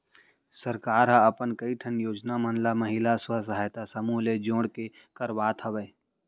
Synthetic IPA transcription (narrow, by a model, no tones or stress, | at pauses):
səɾkaːɾɦaɐpənkəiʈʰənjoːd͡ʒnamənlaməɦɪlaswas̬ɐɦaːjt̪asɐmuːled͡ʒõːɽke | kəɾʋaːt̪ʰɐʋeː